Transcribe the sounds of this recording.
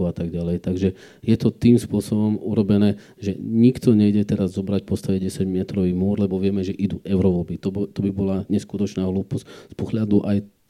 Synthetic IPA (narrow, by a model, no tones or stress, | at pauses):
at̪aɡɟalɛjt̪aɡʒɛ | jɛt̪ɔt̪iːmspʊɔsɔbɔmuɾɔbɛnɛː | ʒɛɲikt̪ɔɲɛɟɛt̪ɛɾazːɔbɾacpɔst̪aʋɛɟɛsaɟmɛt̪ɾɔʋiːmʊɔɾlɛbɔʋɪɛmɛʒɛʔid̪uʔɛʊɾɔʋɔlbit̪ɔt̪ɔbibɔlaɲɛskut̪ɔt͡ʃnaːɦluːpɔscspɔɦlad̪uʔaj